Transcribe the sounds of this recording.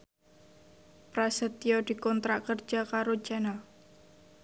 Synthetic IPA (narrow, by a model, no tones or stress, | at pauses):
pɾasət̪ːjod̪̥i̤kɔnt̪ɾaʔkər̥ʒ̥a̤kaɾo̥d͡ʒ̥anal